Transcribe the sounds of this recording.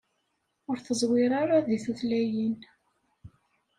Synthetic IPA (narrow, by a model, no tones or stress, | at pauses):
ʊɾθəzˤwɪɾˤaɾaðiθuθlæjin